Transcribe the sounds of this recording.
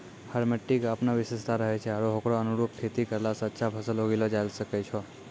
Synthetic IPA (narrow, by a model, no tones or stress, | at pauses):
haɾmeʈːikapnaʋɪseʃt̪aɾəɦet͡ʃʰeaɽoɦokɽoənuɾup̚kʰet̪ikəɾlasətːʃʰapʰəsəloɡilod͡ʒalʃəket͡ʃʰo